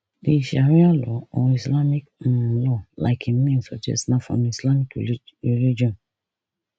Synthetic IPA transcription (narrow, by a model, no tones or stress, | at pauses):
leʃaɾĩalɔɔ̃ũislamĩk̩lɔla̰ɪkʰinẽnsɔd͡ʒɛ̰snãfɔ̰̃nĩislamĩkilid͡ʒiɔ̃n